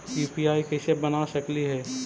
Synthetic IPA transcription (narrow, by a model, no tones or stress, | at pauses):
piːpiaːikeʃebɐnaʃəkliɦɛː